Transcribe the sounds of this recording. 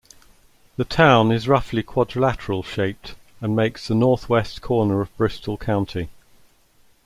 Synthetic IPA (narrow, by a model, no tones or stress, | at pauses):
ðətʰãʊ̃nɪzɹʌflikʰw̥ɒdɹəlatəɹəlˠʃeɪp̚t | ə̃nmeɪksðənɔˑθwɛskʰɔːnəɹəvbɹɪstʰəlˠkʰãʊ̃ntʰi